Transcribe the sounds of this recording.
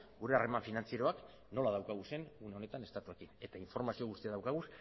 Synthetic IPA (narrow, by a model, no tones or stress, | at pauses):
ɡuɾe̞are̞maɱfinant͡sieɾo̞ak | no̞laðawkaɣ̞use̞nune̞o̞ne̞t̪ane̞st̪at̪ue̞kine̞t̪aiɱfo̞ɾmasio̞ɣust̪iaðawkaɣ̞us